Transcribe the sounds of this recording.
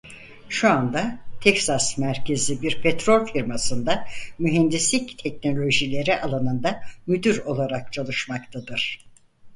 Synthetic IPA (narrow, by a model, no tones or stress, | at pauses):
ʃuand̪at̪ʰɛcsasmæɾcʰe̞zibiɾpʰet̪ɾo̞lʲfiɾmasɯnd̪amyɦɛnd̪islʲict̪ʰɛcno̞lʲo̞ʒilʲe̞ɾiʔalˠanɯnd̪amyd̪yɾo̞lˠaɾak̚t͡ʃʰalˠɯʃmakt̪ʰad̪ɯɾ̥